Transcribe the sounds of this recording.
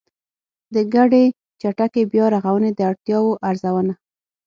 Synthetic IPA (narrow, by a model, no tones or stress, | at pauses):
d̪əɡaɖe | t͡ʃaʈakebjɑɾaɣawəned̪əaɽt̪jɑwoʔaɾzawəna